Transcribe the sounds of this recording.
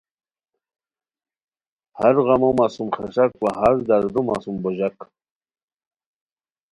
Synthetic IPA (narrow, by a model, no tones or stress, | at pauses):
haɾʁamomasumχaʂakwaɦaɾd̪aɾd̪uma̰sumbɔʑak